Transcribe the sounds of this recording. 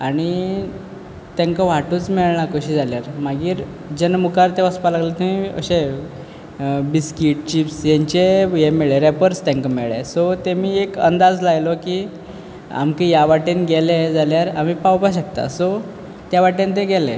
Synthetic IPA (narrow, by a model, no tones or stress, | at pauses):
aɽ̃i | t̪jãŋkaʋ̤aʈuːt͡smiɭɳakəɕiːd͡zaljaɾmaɡiːɾ | d͡ʑenmukaɾt̪eʋəspalaɡlet̪umiːə̰ɕe | biskiʈ̚t͡ɕipsjaɲt͡ɕejemeɭeɾepəɾst̪ãŋkamḛɭḛsɔt̪emiːekə̰nd̪ad͡zlajlɔki | a̰mkijaʋaʈenɡeled͡zaljaɾam̤ipawpaɕək̚t̪a̰sɔ | t̪jaʋaʈent̪̬eɡelḛ